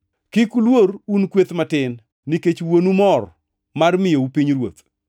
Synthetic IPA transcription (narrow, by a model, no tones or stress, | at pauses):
kɪkulwoɾunkwet̪matɪnː | iket͡ʃwonumɔr | marmɪjoupiɲrwo̰t̪